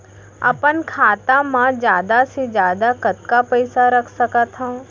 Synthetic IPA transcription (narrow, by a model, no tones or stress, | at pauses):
ɐ̰pənkʰaːt̪ãmãd͡ʒjaːd̪ased͡ʒjaːd̪akɐt̪kapəɪsaɾɐkʰsɐkat̪ɦãː